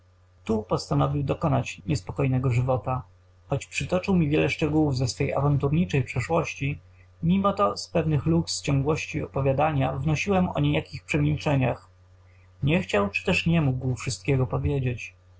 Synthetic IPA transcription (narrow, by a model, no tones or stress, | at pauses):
t̪upɔst̪anɔvʲiwd̪ɔkɔnat͡ɕɲɛspɔkɔjnɛɡɔʐɘvɔt̪a | xɔt͡ɕpʂɘt̪ɔt͡ʂɨwmʲivʲjɛlɛʂt͡ʂɛɡuwuvzɛsfɛja̰vant̪uɾɲit͡ʂɛjpʂɛʂwɔɕt͡ɕi | mʲimɔt̪ɔspɛvnɘxlukst͡ɕɔ̃ŋɡwɔɕt͡ɕiɔpɔvʲjad̪aɲavnɔɕiwɛmɔ̰ɲejakʲixpʂɛmʲilt͡ʂɛɲax | ɲɛxt͡ɕawt͡ʂɘ̥t̪ɛʂɲɛmuɡwfʂɘst̪̚kʲɛɡɔpɔvʲjed͡ʑet͡ɕ